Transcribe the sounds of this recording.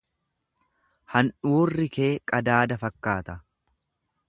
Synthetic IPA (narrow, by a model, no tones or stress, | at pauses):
hɐnᶑuːrːɪke̞ːkʼɐd̪aːd̪ɐfɐkːaːt̪ɐ